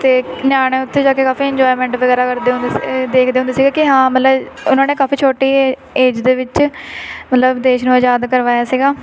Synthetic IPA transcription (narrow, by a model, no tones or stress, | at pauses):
t̪eːnjaːñẽːʊt̪ʰːẽːd͡ʒaːkeːkaːfiːɪ̃ɲd͡ʒɔːɪmɛ̃ːɳʈʋəɡɛːɾaːkəɾd̪eːɦʊ̃ned̪eːkʰd̪eːʊ̃nd̪eːsiːɡaːkɪɦãːmət̪ləb | ʊnãːneːkaːfiːt͡ʃʰoːʈiː | eːd͡ʒd̪eːʋɪt͡ʃ | mət̪ləbd̪eːʃnũːəd͡ʒaːd̪kəɾʋaːjaːsiːɡaː